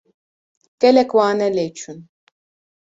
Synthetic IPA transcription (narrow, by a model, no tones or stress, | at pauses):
kʼɛlɛkʼwaːnɛlɛt͡ʃʰun